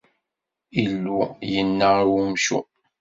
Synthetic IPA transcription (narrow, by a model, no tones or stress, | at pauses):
ilːujənːəwumʃṵ